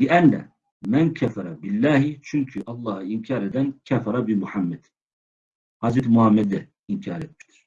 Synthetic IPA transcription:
liʔænːæ̰ | mænkʰafɑɾˤɑbilːaːɦit͡ʃʰyŋkʰyʔɑlˠˤːɑːhɑimcʰɑːɾed̪ænkʲʰafɑɾˤɑbimuħamːɛd̪̥ | hɑzɾɛt̪muhamːɛd̪ɛ | imcʰɑːɾet̪̚miʃt̪i̥ɾ̥

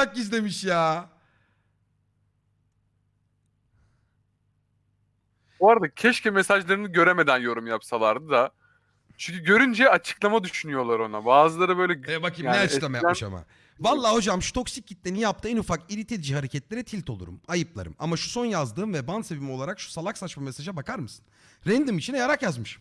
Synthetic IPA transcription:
ak̚ɟizd̪ʲe̞miʃjaː | buaɾad̪acʰɛʃcɛmesaʒlˠaɾɯnɯɟø̞ɾeme̞d̪ænjo̞ɾumjapsalˠaɾd̪ɯd̪a | t͡ʃʰyɲcʰyɟø̞ɾynd͡ʒɛat͡ʃʰɯ̥klˠamad̪yʃynyjo̞lˠaɾo̞nabaːzɯlˠaɾɯbø̞jlʲɛebakimaneat͡ʃklˠamajaa̰ma̰ | valˠːaːho̞d͡ʒamʃu̥t̪ʰo̞ksic̚ɟit̪ːʲenijap̚t̪ʰɯɛnufakiɾit̪ʰed̪id͡ʒihaɾecʰɛt̪lʲe̞ɾɛt̪ʰilʲt̪ʰo̞lˠṵɾṵmajɯplˠa̰ɾɯ̰ma̰maʃu̥so̞njazd̪ɯːmvɛbanse̞vimio̞lˠaɾakʃu̥salˠaksat͡ʃmamesaʒabakaɾmɯsɯ̥n | ɾɛnd̪ɯmit͡ʃʰinɛjaɾakjazmɯʃɯ̥m

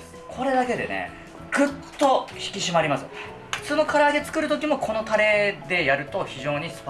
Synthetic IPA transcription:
kʰo̞ɾe̞d̪ake̞d̪e̞̰ne̞̰ | ɡɯ̟t̪ːo̞çi̥kʲiɕimaɾʲimasɨ | ɸɯ̥t͡sɨːno̞kʰaɾaːd̪e̞t͡sɨ̥kɯ̟ɾɯ̟t̪o̞kʲimo̞kʰo̞no̞t̪aɾe̞d̪e̞jaɾɯ̟t̪o̞çiʑo̞ːɲ̟isɨ̥p

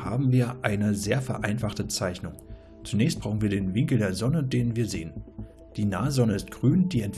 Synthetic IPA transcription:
ha̰ːbm̩viːɐʔaɪnəzeːɐfɛɐʔaɪnfaχtət͡saɪçnʊŋ | t͡sunɛːçst̚b̥ʁ̥aʊxn̩viːɐɾeːnvɪŋkl̩deːɐzɔnədeːnviːɐzeːən | d̥iːnaːəzɔnəɪst̚ɡ̥ʁyːnd̥iːɛnt

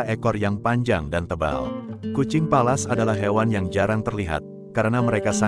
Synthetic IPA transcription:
ekɔrjaŋpaɲd͡ʒaŋdant̪əba̰lkut͡ʃɪŋpalasadalahɦewanjaŋd͡ʒaɾaŋt̪ərliɦa̰t̪̚ | kaɾənaməɾekasa

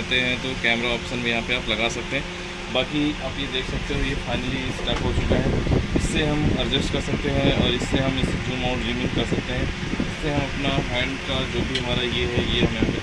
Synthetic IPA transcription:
t̪eɦɛ̃t̪okɛːmɾaɔːpʃənbʱijɐɦãpeaːplɐɡaːsɐk̚t̪eɦɛ̃ | baːkiaːpjed̪eːkʰsɐk̚t̪eɦojepʰaːnisʈaːkoːsbɛɦɛ̃nɪsːeɦɐmɐɾd͡ʒɪsʈkɐɾsɐk̚t̪eɦɛ̃ɔːɾɪsːeɦɐmɪsʈuːmãːʈiːmɪ̃nkɐɾsɐk̚t̪eɦɛ̃ | ɪsːeɦɐmɐpnaɦɛ̃ːɳɖkad͡ʒoːbʱiɦɐmaːɾajeɦɛjeɦɐmjɦãpe

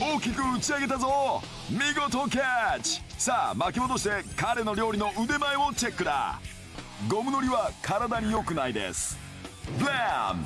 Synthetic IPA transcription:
o̞ːkʲikɯ̟ːt͡ɕiaɡe̞t̪̬azo̞ | mʲiɡo̞t̪o̞k̬ʲat͡ɕi̥saːmakʲiod̪o̞ɕi̥t̪e̞kaɾe̞no̞ɾʲo̞ːɾʲino̞ʔɯd̪e̞maeβo̞t͡ɕe̞kːɯ̟d̪a̰ | ɡo̞mɯ̟no̞ɾʲiβakʰaɾad̪aɲ̟ijo̞kɯ̟naid̪e̞̰sɨ̥ | bam

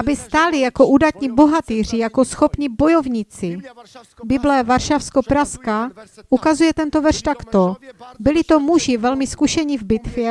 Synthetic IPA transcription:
ʔabɪst̪aːlɪijakoʔuːdat̪ɲiboɦat̪iːr̝ɪjakosxopɲibojovɲit͡sɪ | bɪblɛvaɾʃafskopɾaskaʔukazujɛt̪ɛnt̪ovɛrʃt̪akt̪obɪlɪt̪omuʒɪvɛlmɪskuʃɛɲivbɪt̪vjɛ

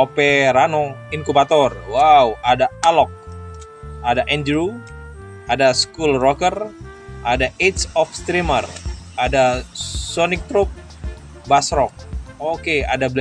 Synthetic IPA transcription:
opɛɾanɔinkubat̪ɔrwauadaalɔk̚ | adaʔɛnd͡ʒɾu | adaskulrɔkər | ʔadait̪sɔfst̪ɾimərʔadasɔnɪk̚t̪ɾup̚ | basɾɔk̚okea̰dabl

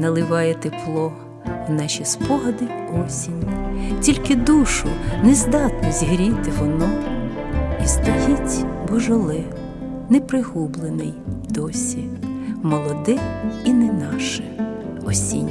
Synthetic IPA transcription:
nɐlˠɪʋɑjɛt̪eplˠɔ | nɑʃʲispɔɦɐd̪ɪ | ɔsʲinʲtʲilʲkɪd̪uʃʊnɛzd̪ɑt̪nɔzʲɦɾʲit̪ɪʋɔnɔ | ist̪ɔjʲitʲbɔʒɔlˠɪ | nɛpɾɪɦublˠenɪjd̪̥ɔsʲimɔlˠɔd̪ɪinɛnɑʃɪ | ɔsʲḭnʲ

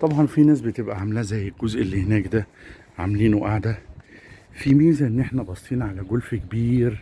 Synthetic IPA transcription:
t̪ˤɑbʕɑnfinæːs̬bet̪ebʔæʕamlæzæjːelɡozʔelːihenæːkd̪æ | ʕa̰mliːnoʔaʕd̪æ | fimiːzæʔenːʔeħnæbɑst̪iːnʕalæɡolfkebiːɾ

